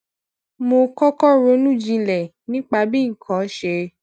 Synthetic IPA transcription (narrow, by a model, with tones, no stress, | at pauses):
mo˧kɔ˦kɔ˦ɾo˧˦nũ˦˨d͡ʒĩ˧lɛ˨ | nĩ˦k͡pa˧bĩ˦ŋ̩˨kʰɔ̃˨˦ʃe˧